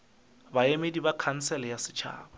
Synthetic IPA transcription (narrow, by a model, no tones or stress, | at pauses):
baemedibakʰan̩sɛlɛjasɪ̥t͡ʃʰa̰ːba